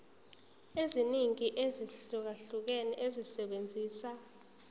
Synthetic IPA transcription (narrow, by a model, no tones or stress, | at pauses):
eziniŋiʔeziɬuk̬aɬuk̬ɛnɛʔezisɛɓend͡zʱiːsa